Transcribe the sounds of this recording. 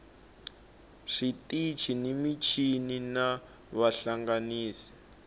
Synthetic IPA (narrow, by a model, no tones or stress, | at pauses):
ʂitit͡ʃʰinemit͡ʃʰinina | βaɬaŋɡaniːsi̥